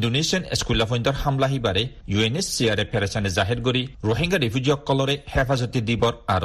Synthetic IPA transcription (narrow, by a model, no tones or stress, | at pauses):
indonesiɔnḛskulapʰɔjnd̪ɔɾhamlaɦibaɾe | juenesːiaɾepʰeɾasanezaɦiɾɡoɾiɾoɦiŋɡaɾipʰjud͡ʒiɔkːɔlɔɾehepʰazɔt̪id̪ibɔɾaɾo